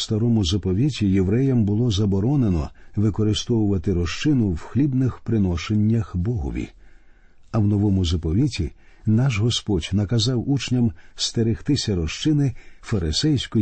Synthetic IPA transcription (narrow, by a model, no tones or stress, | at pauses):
st̪ɐɾɔmʊzɐpɔʋʲitʲijeʋɾɛjɐmbʊlˠɔzɐbɔɾɔnenɔʋɪkɔɾɪst̪ɔwʊʋɐt̪ɪɾɔʃt͡ʃɪnʊwxlʲibnɪxpɾɪnɔʃenʲːɐxbɔɦɔ̰ʋʲḭ | ɐwnɔʋɔmʊzɐpɔʋʲitʲinɑʃɦɔspɔdʲnɐkɐzɑwut͡ʃnʲɐmst̪eɾɪxt̪ɪsʲɐɾɔʃt͡ʃɪnɪfɐɾɪsɛjsʲkɔ